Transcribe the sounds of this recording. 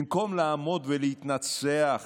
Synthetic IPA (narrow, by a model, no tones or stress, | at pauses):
mko̞mlaːmo̞d̪velehit̪nat͡seaχ